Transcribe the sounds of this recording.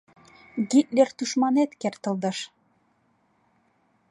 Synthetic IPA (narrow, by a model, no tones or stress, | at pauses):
ɡit̪lʲeɾt̪uʃmɑnet̪kært̪ɤ̆lˠd̪ɤ̆ʃ